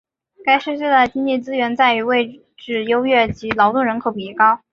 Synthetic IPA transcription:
ka˥ɪʂɻ̩˥˧ɕɛ˥d̪ə˨˩t͡ɕi˥ŋt͡ɕi˥˩t͡sɹ̩˥ɥɛ˧˥nt͡sa˥˩ɪy˧˥we˥˧ɪ | ʈ͡ʂɻ̩˥˩jo˥ʊɥɛ˥˩t͡ɕi˧˥lɑ˧˥ʊt̪ʊ˥˩ŋɻə˧˥nkʰo˨˩ʊpi˨˩i˥˩kɑ˥˩ʊ

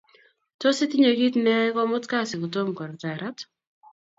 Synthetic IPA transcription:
tɔ˦sɪ˦tɪ˦ɲo˨ɡi˦tnɛ˦kɔ˦mʊ˦tka˦sɪ˨kɔ˨tɔ˦mkɔ˨ɾta˨ɾa˦t

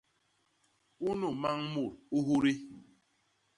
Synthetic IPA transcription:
u˦nu˦˨ma˦ŋ˦mu˨ɾo˦ɦu˦ɾi˦

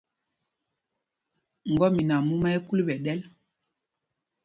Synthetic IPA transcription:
ŋ̩˨ɡɔ˦mi˨na˨mu˦ma˦ɛ˦ku˦lɓɛ˨ɗɛ˦l

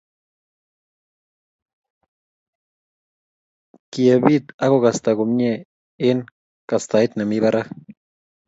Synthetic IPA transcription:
kje˨bi˦t̪a˦ɡo˦ɡa˨st̪a˨ɡo˨mɲe˦ | e˦n | ka˨st̪a˨i˦t̪na˨mi˦βa˦ɾa˦

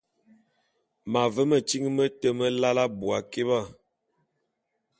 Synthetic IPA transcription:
ma˨və˦mə˨t͡ʃi˦ŋ˦mə˦tə˦mə˦la˦la˦bu˨a˨ke˦βa˦˨

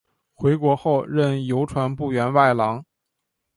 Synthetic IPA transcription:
xwe˧˥ɪkwɔ˧˥xo˥˧ʊɻə˥˩njo˧˥ʊʈ͡ʂʰwa˧˥npu˥˩ɥɛ˧˥nwa˥˩ɪlɑ˧˥ŋ

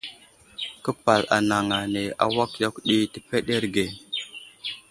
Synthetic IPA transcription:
kə˦pa˨la̰˨na˨ŋa˨ne˨a̰˨wa˦kja˦kɗi˦tə˨pe˦ɗe˦ɾɡe˨

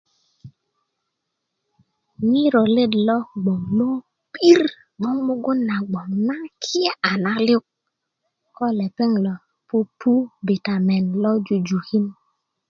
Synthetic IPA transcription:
ɲi˦ɾɔ˨le˦dlɔ˦ɡ͡bɔ˨ŋlo˦ | pi˦ɾ | mɔ˦ŋmu˦ɡu˦nːa˨ɡ͡bɔ˨ŋna˦kʰi˦e˦ʔa˨na˦lu˦k̚ | kɔ˦lɛ˨pɛ˦ŋlɔ˨ | pu˦pʰu˦be˨ta˨mɛ˨nlɔ˦d͡ʒu˨d͡ʒu˨hi˦n

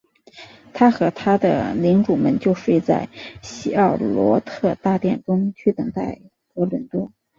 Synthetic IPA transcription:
t̪ʰa˥xɤ˧˥t̪ʰa˥d̪ə̰˧˨li˧˥ŋʈ͡ʂu˨˩mə̰˧˥nt͡ɕjo˥˧ʊʂwe˥˧ɪt͡sa̰˥˩ɪɕi˥ɑ˥˩ʊlwɔ̰˧˥t̪ʰɤ˥˧t̪a˥˧t̪jɛ˥˩nʈ͡ʂʊ˥ŋt͡ɕʰy˥˩t̪ɤ˨˩ŋt̪a˥˩ɪ | kwɔ˧˥lwə˨˩nt̪wɔ˥˩

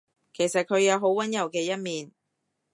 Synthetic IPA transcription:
kʰe˨˩jsɐ˨t̚kʰɵ˨˧ɥjɐ˨˧wɦo˨˥wwɐ˨˥njɐ˨˩wkɛː˧jɐ˥t̚miː˨n

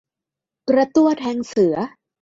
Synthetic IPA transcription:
kɾa˧t̪u˥˩ɐt̪ʰɛː˧ŋsɯ˩˦ɐ

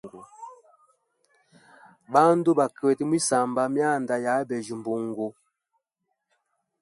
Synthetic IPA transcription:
ɡu˨ | ba˦n˦do˦ba˨kɛ˨ti˦mwi˦sa˨mba˨mja˦˨nda˨ja˨˦bɛ˨d͡ʒu˨m˨bo˨ŋ˨ɡo˨

